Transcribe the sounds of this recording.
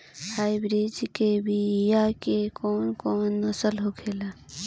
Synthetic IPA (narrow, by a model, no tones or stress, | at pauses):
hajbɾid͡ʒkebʱijakekoːnkoːnːəsəlɦokʰela